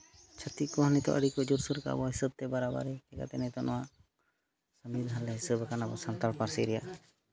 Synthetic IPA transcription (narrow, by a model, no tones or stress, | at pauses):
t͡ʃʰət̪ikɔɦənit̪ɔ̰ʔə̰ɽikɔd͡ʒuɾsuɾka̰bɔɦisəb̚t̪ɛbaɾaba̰ɾɛɛka̰t̪ɛnɛt̪ɔnɔwaʔ | səmbid̪ʱalɛɦisəbəkanabɔsant̪aɭpaɾsiɾɛjaʔ